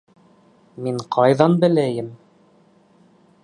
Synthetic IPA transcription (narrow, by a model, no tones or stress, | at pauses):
miɴqʰɑjðɑnbɘ̆læjɘm